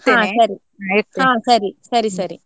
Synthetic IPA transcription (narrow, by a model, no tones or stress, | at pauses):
ht̪ãːsɐɾi | aet̪ːãːsɐɾisɐɾisɐɾi